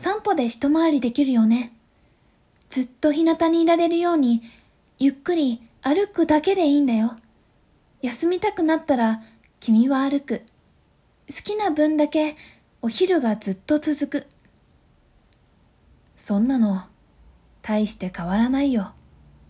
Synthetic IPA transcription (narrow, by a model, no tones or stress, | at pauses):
sãmpo̞d̪e̞çi̥t̪o̞maːɾʲid̪e̞kʲiɾɯ̟jo̞ne̞ | d͡z̥ɨt̪ːo̞çinat̪aɲ̟iːɾaɾe̞ɾɯ̟jo̞ːɲ̟i | jɯ̟kːɯ̟ɾʲi | aɾɯ̟kɯ̟d̪ake̞d̪e̞iːnd̪ajo̞ | jasɨmʲit̪akɯ̟nat̪ːaɾa | kʲimʲiβaːɾɯ̟kɯ̟ | sɨ̥kʲinabɯ̟̃nd̪ake̞ | o̞çiɾɯ̟ɡad͡zɨt̪ːo̞t͡sɨzɨkɯ̟ | sõ̞nːano̞ | t̪ʰaiɕi̥t̪e̞kaβ̞aɾanaijo̞